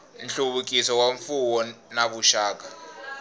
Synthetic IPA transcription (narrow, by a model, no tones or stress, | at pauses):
nɬuɓuk̬ʼisɔwaɱfuwɔnaɓuʃaːk̬a